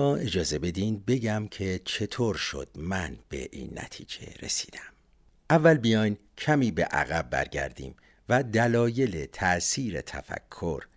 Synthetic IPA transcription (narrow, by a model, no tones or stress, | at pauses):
ɒːʔe̞d͡ʒɒːze̞be̞d̪ind̪̚be̞ɟæmcʰe̞t͡ʃʰe̞t̪ʰoːɾʃo̰d̪̥̚mænb̥e̞̰ʔḭːnːæ̰t̪ʰḭːd͡ʒe̞̰ɾe̞̰si̥ːd̪æm | ʔævːælbijɒjn | cʰæmiːbe̞̰ʔæ̰ɣæbːæ̰ɾɟæ̰ɾd̪ḭːm | væd̪ælɒːje̞le̞t̪ʰæʔsiːɾe̞̰t̪ʰæ̰fæ̰kʰːo̞ɾ